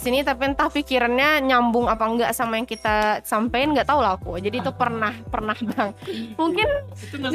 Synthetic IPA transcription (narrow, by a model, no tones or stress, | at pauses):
sinit̪apint̪afikiɾanɲaɲambʊŋapaŋɡaʔsamajaŋkit̪asampaɪnŋɡaʔt̪aulakud͡ʒadiːt̪upərnahpərnahbaŋmuŋkɪn